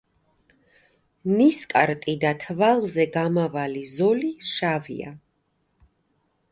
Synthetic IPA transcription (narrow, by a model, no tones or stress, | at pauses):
niskʼa̰ɾt̪ʼid̪at̪ʰvalˠzɛɡamavalizɔliʃavḭa̰